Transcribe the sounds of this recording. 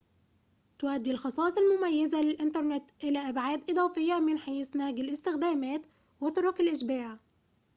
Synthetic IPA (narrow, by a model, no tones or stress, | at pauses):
t̪ʊwad̪ːilxɑsˤɑːsˤɑlmʊmajːɪzalɪlʔɪnt̪ɑɾˤnɪt̪ʔɪlæːʔabʕaːd̪ʔɨd̪ˤɑːfɪjːamɪnħajsnæɡɪlʔɪst̪ɪxd̪æːmæːt̪ | wɪt̪ʊɾʊkalʔɪʃbaːʕ